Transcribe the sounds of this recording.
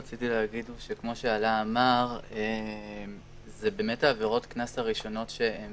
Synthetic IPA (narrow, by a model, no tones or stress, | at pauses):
at͡sitileaɡidʃe̞kmo̞ʃe̞alaːmaʁem | zebe̞ːmetaːveʁo̞tknasaʁiʃo̞no̞tʃee